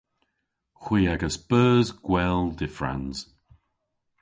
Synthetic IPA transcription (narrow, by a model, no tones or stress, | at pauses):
xwiːaɡəsb̥əːzɡ̥wɛlˠdɪfɹa̰nz̥